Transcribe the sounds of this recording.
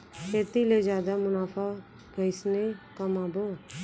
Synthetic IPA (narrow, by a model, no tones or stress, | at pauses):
kʰeːt̪iːleːd͡ʒjaːd̪aːmʊnaːpʰaː | bʱəɪsnekəmãːboː